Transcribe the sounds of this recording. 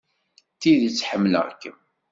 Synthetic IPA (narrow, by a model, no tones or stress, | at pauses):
t̪iðit͡sːħəmːlə̰ʁkːəm